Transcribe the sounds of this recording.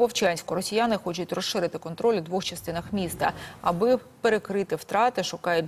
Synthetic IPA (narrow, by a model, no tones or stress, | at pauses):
ɔwt͡ʃanʲsʲkɔɾɔsʲijanɪxɔt͡ʃʊt̪ʲɾɔsʃɪɾɪt̪ɪkɔnt̪ɾɔlʲwd̪ʋɔxt͡ʃɐst̪ɪnɐxmʲist̪ɐɐ̰bɪpeɾe̞kɾɪt̪ɪwt̪ɾɑt̪ɪʃʊkɑjʊtʲ